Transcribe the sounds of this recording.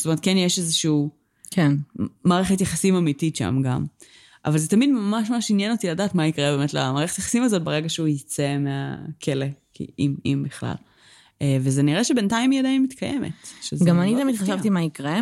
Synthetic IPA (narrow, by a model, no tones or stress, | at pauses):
stomet̪̚kenjeʃezeʃiu | kʰenmaːʁeχetjaχasimamititʃa̰mɡa̰m | a̰valzet̪amidmamaʃmamaʃinjeno̞tiladaːtmaikʁebeːmetla̰maːʁeχetajaχḁsimazo̞t̚beʁeɡaʃeujit͡semea̰kʰelekḭimimbiχla̰l | evezeniʁeʃebe̞ntaimiedaimitkʰajemḛtʃezɡamanit̪amid̪χaʃavtimaikʁe